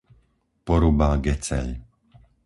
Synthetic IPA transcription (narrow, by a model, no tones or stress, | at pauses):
pɔɾubaːɡɛt͡sɛ̰ʎ